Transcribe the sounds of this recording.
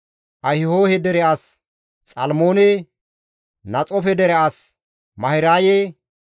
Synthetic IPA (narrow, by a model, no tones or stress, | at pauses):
ʔɐhɪhoːhɛd̪ɛɾɛʔas | t͡sʼɐlmoːnɛ | nɐt͡sʼɔfɛd̪ɛɾɛas | mɐhɪɾaːje